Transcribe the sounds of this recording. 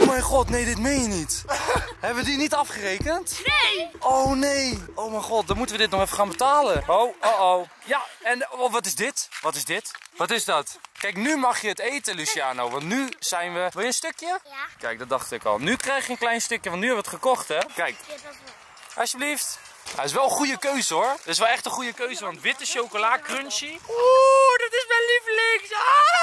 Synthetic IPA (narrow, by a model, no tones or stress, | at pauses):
omɛjχɔtnejdɪtmejnjənithɛbəʋədinitɑfχərejkənt | ʔownejowmɛjχɔt̚dɔnmutəʋədɪtnɔχɛfəχaːnbətaːlənowoow | jaɛnʋɔtɪsdɪtʋɔtɪzdɪtʋɔtɪsdɔtkɛjknymɑχjəətejtəlysiaːnowʋɑ̃ntnyz̥ɛjnʋəʋɪlˠjənstøkjəkɛjk̚dɔdɑχtɪkɔ̰lˠnykrɛjχjəənklɛjnstɵkjəʋɑntnyɛʋəətχəkɔχtɛkɛjk | ʔɑsjəbəlift | ɛɪsʋɛlˠəχujəkøɥzəɦʊɹdətɪsʋɛlˠɛχtəχujəkøɥzəʋɑntʋɪtəʃowkolaːkrønʃiodɔtɪsmɛliflɪŋso